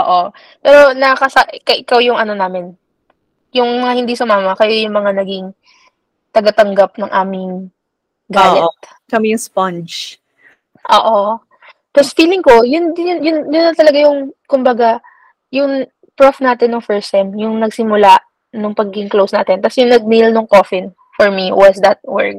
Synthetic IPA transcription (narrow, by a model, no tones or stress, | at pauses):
ʔoːʔo | pɛːɾo̞nɐkɐsɐʔɪkɐʔɪkawjʊŋʔɐno̞naːmɪn | jʊŋmɐŋahɪnd̪isʊmaːmɐkɐjo̞jʊŋmɐŋanɐɡɪŋ | t̪ɐɡɐt̪ɐŋɡap̚nɐŋʔaːmɪŋ | ɡaːlɛt̪ | kɐmɛjʊŋspɐnt͡ʃ | ʔo̰ːʔo̞ | t̪ɐsfiːlɪŋko̞jʊnʊnjʊnjʊnːɐnt̪ɐlɐɡajʊŋkʊmbɐɡa | jʊŋ | pɹofnaːt̪ɪnːʊŋfɛɹsɛmjʊŋnɐɡsɪmʊlaʔ | nʊŋpɐɡɪŋklowsnaːt̪ɛnt̪ɐsjʊŋnɐɡ̚nilnʊŋkofɪn | fɔɹmiwɐsd̪ɐt̪̚wɛɹk̚